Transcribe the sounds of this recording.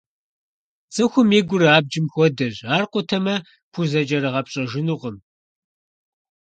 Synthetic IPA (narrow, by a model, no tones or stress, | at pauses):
t͡sʼɨxʷʊmeːɡʷʊɾɨaːb̚d͡ʒɪmxʷɔdɐʑaːrqʷʊtʰɐmɐ | pʰuzɐd͡ʒʼɐɾɨʁɐpɕʼɐʒɪnuʁəm